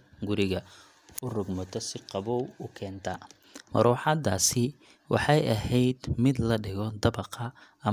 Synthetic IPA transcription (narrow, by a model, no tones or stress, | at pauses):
ɡʊɾɪɣɐ | ʊrʊɡmɐt̪ʰɔsɪqɑβɔwʊkʰɛːnt̪ʰɐ | mɐ̰ɾɔːħɑd̪aːsɪ | wɑ̰ħɑjɐɦɛjd̪mɪd̪lɐɖɪɣɔd̪ɐbɑqʰɐ